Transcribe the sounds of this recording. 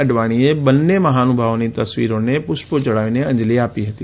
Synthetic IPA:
ɐɖʋaːɽ̃iebɐnːemɐɦaːnʊbʱaːʋnit̪ɐsʋḭːɾõnepʊspot͡ʃɐɽaːʋinẽɐ̃ɲd͡ʑliaːpiɦɐt̪i

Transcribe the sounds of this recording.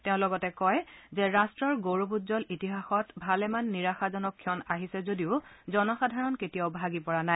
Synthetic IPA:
tɛʊ̃lɔɡɔtɛkɔjzɛɹastɹɔɹɡoɹubudzɔlitiɦaxɔtbʱalɛmanːiɹaxazɔnɔkʰːjɔnaɦisɛzodiʊzɔnɔxadʱaɹɔnketijaʊbʱaɡipɔɹanaj

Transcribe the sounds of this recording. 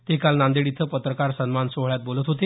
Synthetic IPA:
t̪ekalnand̪eɽit͡s̪ʰəpət̪ɾəkaɾsənmansoɦɭjat̪̚bolət̪ɦot̪e

